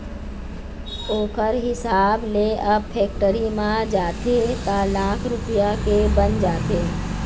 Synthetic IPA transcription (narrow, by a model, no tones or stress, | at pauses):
oːkəɾɦɪsaːbleʔəbpʰɛːk̚ʈəɾimãd͡ʒaːt̪et̪alaːkʰɾʊpijakebənd͡ʒaːt̪e